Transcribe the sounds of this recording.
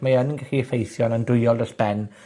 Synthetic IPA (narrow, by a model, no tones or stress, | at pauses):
majaninɡaɬiəfejθjɔnəndʊjɔlˠdɔɬb̥ɛn